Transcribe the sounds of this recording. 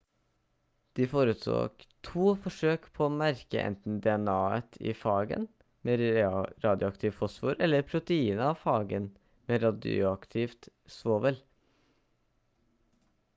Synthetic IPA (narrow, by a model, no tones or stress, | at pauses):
d̪̥iːfoːɾət̪so̰ːɡt̪ʰuːfɔʂøːkpʰoːoːmæɾkə̰ʔɛ̰nt̪n̩d̪ɛɛnɑːə̰t̪ʰḭːfɑːɡə̰n | meːɾɑːd̪jʊɑkt̪ʰɪːʋfɔsfṵːɾʔɛlːəɾpʰɾʊt̪əiːnəɑʋfɑːɡən | meːɾɑd̪ʊɑkt̪ʰɪft̪ | sʋoːʋɛl